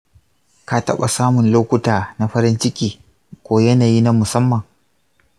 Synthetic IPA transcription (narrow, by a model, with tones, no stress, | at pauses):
ka˦tɐ̰˦ɓa˨saː˦mʊ˨nloː˦kʷʊ˦taː˨na˨ɸɐ˦ɾɪ˦nt͡ʃɪ˦kʲiː˨ | kʷoː˦jɐ˦naː˨jiː˦na˦mʊ˨sɐ˦mːɐ˨ŋ